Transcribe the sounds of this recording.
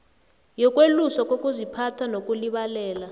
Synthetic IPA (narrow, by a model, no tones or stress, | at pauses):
jɔk̬ʼwelusɔkʼokʼuzipʰatʰanokʼuliɓalɛːla